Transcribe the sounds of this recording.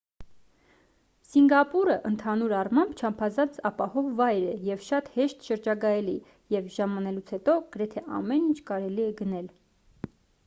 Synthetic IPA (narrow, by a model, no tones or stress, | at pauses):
siŋɡɑpuɾəʔənt̪ʰɑnuɾɑrmɑmbt͡ʃʰɑmpʰɑzɑnt͡sɑpɑhɔvːɑjɾɛjɛvʃɑt̪hɛʃt̪ʃəɾd͡ʒɑɡɑjɛli | jɛvʒɑmɑnɛlut͡sʰhɛt̪ɔɡ̥əɾɛt̪ʰɛʔɑ̰mɛnint͡ʃʰkɑɾɛliɛɡənɛl